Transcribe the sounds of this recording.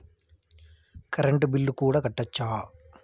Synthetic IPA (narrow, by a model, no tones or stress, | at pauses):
kɐɾɐɳʈubilːukuːɽaːkɐʈːɐt͡ʃːaː